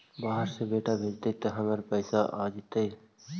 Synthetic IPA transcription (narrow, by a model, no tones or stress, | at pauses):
baːɦəɾsebeːʈabʱeːd͡ʒt̪əit̪əɦəməɾpəɪsaʔaːd͡ʒɪt̪əi